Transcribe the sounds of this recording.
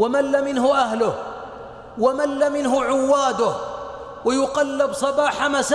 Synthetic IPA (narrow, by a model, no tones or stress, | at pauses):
wamalːamɪnhʊʔahlʊh | wamalːamɪnhʊʕʊwːaːd̪ʊh | wajʊqɑlːɪbsˤɑbaːħamas